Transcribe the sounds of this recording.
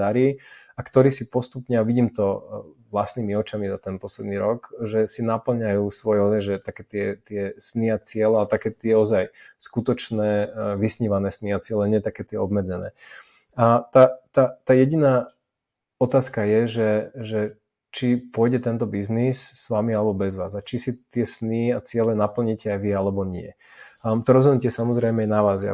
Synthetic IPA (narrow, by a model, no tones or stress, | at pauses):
aɾiː | akt̪ɔɾiːsipɔst̪upɲɛaʋiɟiːmt̪ɔʋlast̪niːmiɔt͡ʃamizat̪ɛnpɔslɛd̪niːɾɔɡʒɛsinapl̩ɲajuːsʋɔjɛɔzajʒɛt̪akɛːt̪ɪɛt̪ɪɛsniat͡sɪɛlɛat̪akɛːt̪ɪɛɔzajskut̪ɔt͡ʃnɛːʋisɲiːʋanɛːsniat͡sɪɛlɛɲɪɛt̪akɛːt̪ɪɛɔbmɛd͡zɛnɛ̰ː | at̪at̪at̪aːjɛɟinaː | ɔt̪aːskajɛʒɛʒɛ | t͡ʃipʊɔjɟɛt̪ɛnt̪ɔbiznisːʋamialɛbɔbɛzʋa̰ːzat͡ʃisit̪ɪɛsniːat͡sɪɛlɛnapl̩ɲicɛajʋialɛbɔɲɪɛ̰ | t̪ɔɾɔzɦɔd̪nuc̬ɛsamɔzɾɛjmɛɛnaʋaːzɪa̰